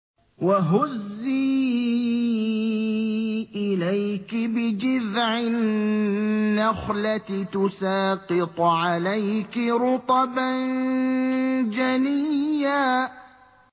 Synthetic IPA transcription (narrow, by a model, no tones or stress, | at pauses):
waɦʊzːiː | ʔɪlajkɪbɪd͡ʒɪðʕɪ | axlat̪t̪ʊsaːqɨt̪ˤʕalajkɪɾʊt̪ˤɑban | d͡ʒanijjaː